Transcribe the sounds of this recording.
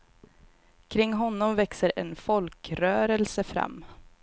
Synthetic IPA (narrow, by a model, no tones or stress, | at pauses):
kʰɾɪŋːɦɔnːɔmvɛksəɾɛ̰nfɔlkɾœːɾəlsəfɾa̰mː